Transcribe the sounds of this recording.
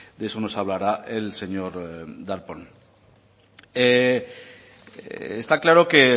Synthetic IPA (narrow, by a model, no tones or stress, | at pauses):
d̪eesono̞saβlaɾaelse̞ɲo̞ɾd̪aɾpon | e | est̪aklaɾo̞ke